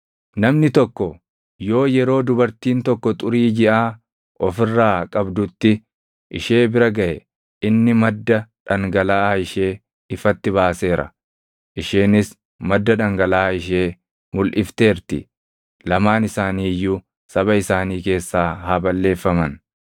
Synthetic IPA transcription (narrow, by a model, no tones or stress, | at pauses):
nɐmnɪt̪ɔkːɔ | jo̞ːjɛɾo̞ːd̪ʊbɐɾt̪iːnt̪ɔkːɔt̪ʼʊɾiːd͡ʒɪʔaː | ʔɔfɪrːaːkʼɐbd̪ʊt̪ːɪ | ʔɪ̰ʃe̞ːbɪɾɐɡɐʔɛ | ɪnːɪmɐd̪ːɐᶑɐŋɡɐlaːɪʃe̞ː | ɪfɐt̪ːɪβaːse̞ːɾɐ̰ | ʔɪʃeːnɪs | mɐd̪ːɐᶑɐŋɡɐlaːɪʃe̞ː | mʊlʔɪft̪e̞ːɾt̪ɪ̰ | lɐmaːnɪsaːniːjːʊ | sɐβɐɪsaːniːke̞ːsːaːhaːbɐlːe̞ːfːɐmɐn